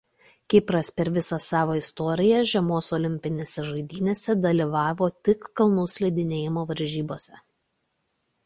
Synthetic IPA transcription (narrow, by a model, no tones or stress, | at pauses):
kʲɪpɾɐspʲɛɾʋʲɪsɐsɑːʋoːɪst̪ɔːɾʲɪjɛʒʲɛmoːsɔlʲɪmʲpʲɪnʲeːsʲɛʒɐɪd̪ʲiːnʲeːsʲɛd̪ɐlʲiˑʋɑːʋoːt̪ʲɪkːɐlˠnuːsʲlʲɛɪd̪ʲɪnʲeːjɪmoːʋɐɾʲʒʲiːboːsʲɛ